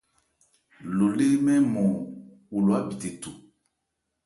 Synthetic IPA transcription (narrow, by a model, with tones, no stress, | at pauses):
lo˨le˦mɛ̃˦mɔ̃˨ | wu˨lo˨a˦bi˨te˨tu˨